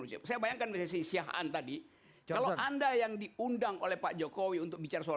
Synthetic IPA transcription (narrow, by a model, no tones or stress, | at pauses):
nusa̰sajabajaŋkanbsas̬isiaɦa̰nt̪adi | aloʔandajaŋdiundaŋʔolɛhpaʔd͡ʒokowiunt̪ʊk̚bit͡ʃarasoa